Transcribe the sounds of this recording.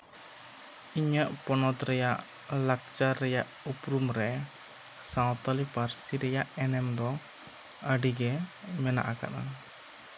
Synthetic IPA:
iɲəʔpɔnɔt̪ɾɛjaʔ | lak̚t͡ʃaɾɛjaʔ | upɾumɾɛ | sãwt̪alipaɾsiɾɛjaʔɛnɛmd̪ɔ | əɖiɡɛmɛna̰ʔaka̰ʔa̰

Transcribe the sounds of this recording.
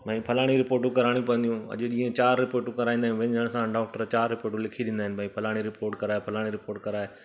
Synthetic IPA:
bʱɐ̃ĩpʰɐlaːɽ̃iɾɪpoːɾʈ̬ũkɐɾaːɽ̃iũpɐ̃ə̃nd̪ijũɐ̰ʄɗĩːẽt͡ɕaːɾːɪpoːɾʈũkɐɾaːĩnd̪aɦjĩʋɪ̃ɲd͡ʑəɽ̃sãɖaːk̚ʈəɾt͡ɕaːɾːɪpoːɾʈũlɪkʰiɗɪ̃nd̪aːɪnɪbʱaĩpʰɐlaːɽ̃iɾɪpoːɾʈkɐɾaːepʰɐlaːɽ̃iɾɪpoːɾʈkɐɾaːeː

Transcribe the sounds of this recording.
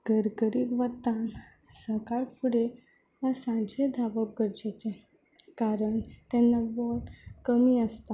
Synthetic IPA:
ɡ̥əɾɡəɾiːt̪ʋət̪ãn | səkaɭfuɽe | ʋasãnt͡ɕed̪ʱaʋəkɡəɾd͡ʑet͡ɕẽ | kaɾəɳt̪ɛnːaʋɔɾkəmiəst̪a

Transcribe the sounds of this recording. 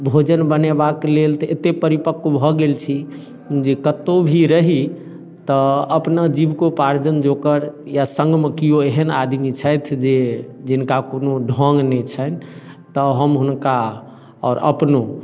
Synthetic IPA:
bʱod͡ʒənbənebaklelt̪əet̪epəɾipəkːbʱɔɡelt͡ʃʰi | d͡ʒekət̪obʱiɾəɦi | t̪ɔəpnad͡ʒibkopaɾd͡ʒənd͡ʒokəɾjasə̃ŋɡmekijoeɦənad̪ʱmit͡ʃʰəjt̪ʰd͡ʒed͡ʒinkakonoɖʱɔ̃ŋɡnɛt͡ʃʰən | t̪əɦəmɦunka | ɔːɾə̰pno

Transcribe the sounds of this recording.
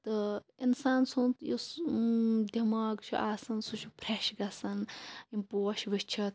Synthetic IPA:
t̪ɨinsaːnsunt̪jus | d̪ʲʱɐmaːɡt͡ʃʰuʔaːsɐnsut͡ʃʰupɾeʃɡɐsɐnimpoːɐʃʋɨʃt͡ʃʰɐt̪̚

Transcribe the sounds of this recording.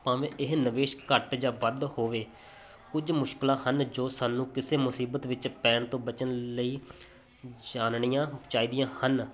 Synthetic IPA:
pãːʋẽːʔɪɦnəʋeːʃkəʈd͡ʒãːʋəd̪hoːʋeː | kʊd͡ʒmʊʃkɪlãːhənd͡ʒoːsaːnũːkɪseːmʊsiːbət̪ʋɪt͡ʃpɛːɳt̪õːbət͡ʃənləiː | d͡ʒaːnɳijãːt͡ʃaːiːd̪ɪjãːhən

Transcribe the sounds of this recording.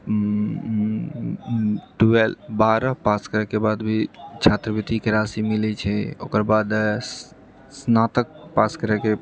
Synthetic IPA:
ʈuelbaɾəpaskəɾɛkebad̪bʱit͡ʃʰat̪ɾəbit̪ikeɾasimilɛt͡ʃʰɛo̰ːkəɾbad̪ | snat̪ək̚paskəɾɛke

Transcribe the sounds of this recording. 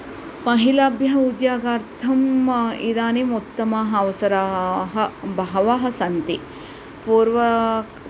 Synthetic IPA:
mɐɦilaːbʱjɐɦɐud̪jaːɡaːɾt̪ʰɐmid̪aːnimut̪ːɐmaːɦɐɐʋɐsɐɾaːɦɐbɐɦɐʋaːɦɐ̆sɐnt̪i | puːɾʋɐ

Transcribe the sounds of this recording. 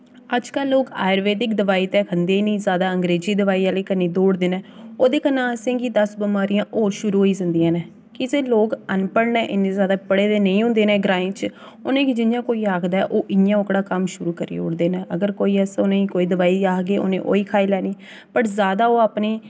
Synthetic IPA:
əd͡ʒkəlːoːɡa̰ːɪɾʋeːt̪ɪkd̪əʋaːiːt̪ɛːkʰənd̪eːnĩːzjaːd̪aːə̃ŋɡɾeːziːd̪əʋaːiːaːleːkənːiːd̪oːɽd̪eːnɛːoːd̪eːkənãːəsẽːɡid̪əsbəmaːɾijãːʔoːɾʃʊɾuːɦoːiːsənd̪iːãːnɛː | kɪseːloːɡənpəɽnɛːʔɪnẽːzjaːd̪aːpəɽeːd̪eːnəĩːɦʊ̃nd̪eːnẽːɡɾãːẽːt͡ʃ | ʊnẽːkɪd͡ʒɪnjãːkoːiːaːkʰd̪aːɛʔoːʔɪjãːʊkɽaːkəmʃʊɾuːkəɾḭːʊ̰ɽd̪eːnɛ̃ːəɡəɾkoːiːɛsʊnẽːikoːiːd̪əʋaːiaːɡeːʔʊ̰nḛ̃ːʔo̰ːiːkʰaːiːlɛːniː | pəʈzaːd̪aːoːaːpneː

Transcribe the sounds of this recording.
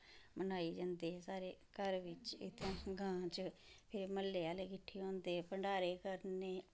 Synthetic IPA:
mənaːiːd͡ʒãːnd̪eːsaːɾeːkəɾʋɪt͡ʃɪ̰t̪ʰãːɡãːt͡ʃəpʰɪɾməlːeːaːleːkɪʈʰːiːõːnd̪eːɛpəɳɖaːɾeːkəɾneː

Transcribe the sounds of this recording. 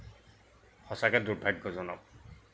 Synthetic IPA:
hɔsakɛduɹbʱaɡːɔzɔnɔp̚

